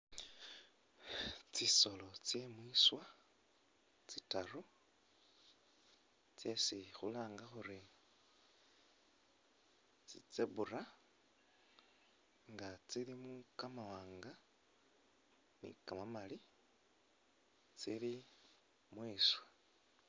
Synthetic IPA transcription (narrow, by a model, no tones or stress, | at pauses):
t͡siso̞lo̞t͡sjemwiːswa | t͡sitaru | t͡sjesixṵlaːŋɡaxuɾi | t͡sit͡seβura | ŋɡat͡silimukamawaːŋɡa | nḭkamamali | t͡sili | mwiːswa